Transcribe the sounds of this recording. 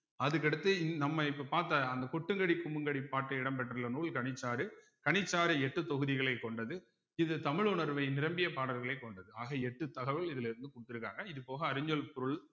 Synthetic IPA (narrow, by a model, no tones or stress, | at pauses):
ɐðɯkːɐɽɯt̪ːɯnɐmːɐɪpːɐpaːɾt̪ːɐɐnd̪ɐkɔʈːɯŋɡɐɽikːʊmɯŋɡɐɽipːaːʈːɯɪɽɐmbɐʈːɾɯlɐnuːɭkɐɳɪt͡ʃːaːɾɯ | kɐɳɪt͡ʃːaːɾɯɛʈːɯt̪ɔɣɯðɪɣɐɭɐɪkːɔɳɖɐðɯ | ɪðɯt̪ɐmɪɭʊɳɐɾʋɐɪnɪɾɐmbɪjɐpaːɽɐɾɣɐɭɐɪkːɔɳɖɐðɯaːɣɐɛʈːɯt̪ɐɣɐʋɪlɪðɪlɪɾɯnd̪ɯkʊɽɯt̪ːɪɾɯkːa̰ːŋɡɐɪðɯpoːɣɐːɾɯɲːɐlpʊɾɯɭ